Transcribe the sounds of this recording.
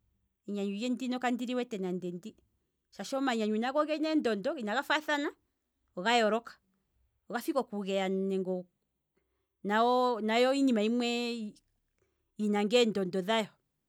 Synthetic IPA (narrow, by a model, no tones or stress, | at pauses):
ɛɲaɲujɛndinɔkandiɾiwɛtɛnandɛndi | ʃaʃɔmaɲaɲuinaɣɔɣɛnɛndɔndɔinaɣafaθana | ɔɣajɔɾɔkḁ | ɔɣafikɔkuɣɛanɛŋɡɔ | naɔnajɔiɲimaimwɛ | inaŋɡɛndɔndɔðajɔ